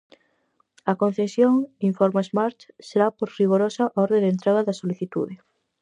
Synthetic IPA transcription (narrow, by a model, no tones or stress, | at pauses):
ɐkõn̟θesjoŋiɱfɔɾmaezmaɾt̪seɾapoɾriɣoɾosaʔɔɾðed̪ent̪ɾeɣɐðɐsoliθit̪ṵðɪ